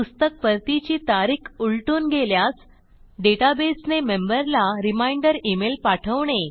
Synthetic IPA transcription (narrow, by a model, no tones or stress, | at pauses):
pust̪ək̚pəɾt̪it͡ɕiːt̪aɾikʰuɭʈunɡʱeljas | ɖeʈabesnemembəɾlaɾimaiɳɖəɾimelpaʈʰəʋɳe